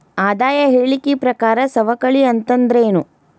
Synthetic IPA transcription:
aːd̪aːjɐɦeːɭikipɾɐkaːɾɐsɐʋɐkɐɭiɐnt̪ɐnd̪ɾeːnu

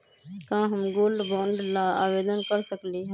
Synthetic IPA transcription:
kãːɦəmɡoːlbãːɳɖlaːaːʋeːd̪ənkəɾsəkʰliːɦ

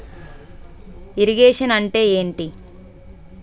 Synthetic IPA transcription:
iɾiɡeːʂɐnɐɳʈe̞ːeːɳʈi

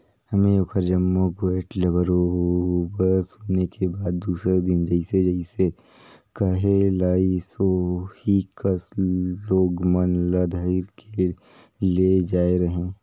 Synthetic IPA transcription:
hɐmẽoːkəɾd͡ʒɐmːoɡeːʈlɐbəɾobəɾsoːnekʰebaːd̪̚ːuːsɾed̪ɪnd͡ʒɐɪsed͡ʒɐɪse | kɐɦelaːisohikɐsloːɡmənlɐd̪ʱaiɾkʰe | led͡ʒaːeɾɐɦẽː

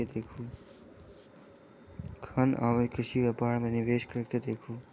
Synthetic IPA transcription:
ed̪eːkʰuː | kʰənʔa̰ːʋkɪʃiʋɛpaːɽmẽnɪʋeːʃkəɾked̪eːkʰuː

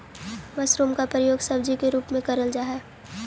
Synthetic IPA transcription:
ʋɐsɾuːmkapɾəjoːɡsɐbd͡ʒikeɾuːpmẽkɐɾəld͡ʒaːɦɛː

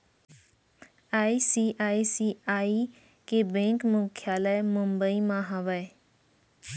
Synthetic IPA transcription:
aːisiːʔaːisiːaːiː | keːbẽŋkmʊkʰjaːləjmʊmbəiːmãːɦaʋəe

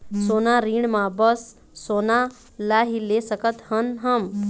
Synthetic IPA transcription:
soːnaɾiːɳ̃mãbəsː | oːna | laːɦilesəkət̪hənɦəm

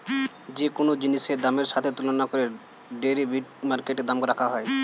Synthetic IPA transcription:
d͡ʒekonod͡ʑiniʃed̪ameɾʃat̪ʰet̪ulonakɔɾe | ɖeɾibʱiʈ̚maɾkeʈed̪amkɾakʰaɦɔe

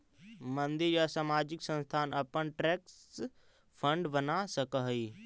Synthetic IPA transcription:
mə̃nd̪ɪɾjasaːmaːd͡ʒɪksə̃nst̪ʰaːnɐpənʈɾɛːks | pʰə̃ɳɖbənasəkəɦiː

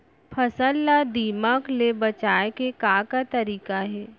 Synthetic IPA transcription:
pʰɐsəlːad̪iːmaklebɐt͡ʃaːekekaːkat̪ɐɾiːkaɦɛː

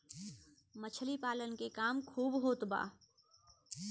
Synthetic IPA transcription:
mət͡ʃʰlipaːlənkekaːmkʰuːbɦoːt̪ba̰ː

